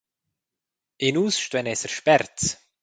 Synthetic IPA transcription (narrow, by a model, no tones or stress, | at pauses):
ɪnuːsʃtwɛnɛsəɾʃpɛɾt͡s